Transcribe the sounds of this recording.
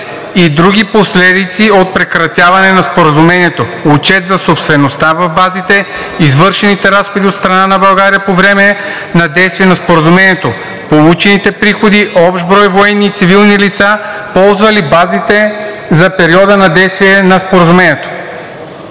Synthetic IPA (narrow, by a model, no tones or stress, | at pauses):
id̪ɾuɡʲiposlɛd̪it̪siot̪̚pɾɛkɾɐt̪ʲjavɐnɛnɐspoɾəzumɛniɛt̪oot͡ʃɛt̪zɐsopst̪vɛnost̪avɐvbazit̪ɛ | izvɤɾʃɛnit̪ɛɾasxod̪iot̪st̪ɾɐnanɐbɐlˠɡaɾiəpovɾɛmɛ | nɐd̪ɛjst̪viɛnɐspoɾəzumɛniɛt̪o | polˠut͡ʃɛnit̪ɛpɾixod̪iʔɔpʃbɾɔjvoɛnːit̪sivilˠnilit̪sapɔlˠzvɐlibazit̪ɛ | zɐpɛɾiɔd̪ənɐd̪ɛjst̪viɛnɐspoɾəzumɛniɛt̪o̥